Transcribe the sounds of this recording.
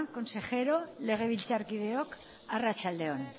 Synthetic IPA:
ŋko̞nse̞xe̞ɾo̞le̞ɣ̞e̞βilt͡saɾkið̞e̞o̞k | arat͡sald̪e̞on

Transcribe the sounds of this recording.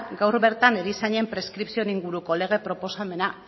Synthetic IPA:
ɡawɾβe̞ɾt̪aneɾisaɲe̞mpɾe̞skɾipsio̞niŋɡuɾuko̞le̞ɣ̞e̞pɾopo̞same̞na

